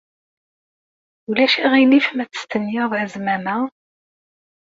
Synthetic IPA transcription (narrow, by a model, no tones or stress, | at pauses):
ulæʃʁinifmæt͡sə̥st̪ənjɑðˤʕəzmæmæ